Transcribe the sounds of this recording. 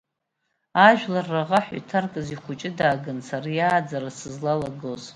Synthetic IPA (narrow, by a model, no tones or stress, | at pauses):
aʒᶣlarːaʁaħa̰tʰarkʼɨziχʷʊt͡ʃʼɪdaːɡɨnsarajaːd͡zaɾasɨzlalaɡoz